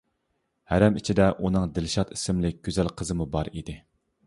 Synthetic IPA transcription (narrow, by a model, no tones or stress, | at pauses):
hæɾɛmit͡ʃʰid̪ɛʔunɨŋd̪ɪlʃɑt̪isɪmlɪk̚ʲɡ̥ʲøzælqʰəzɨmubɑɾid̪ɪ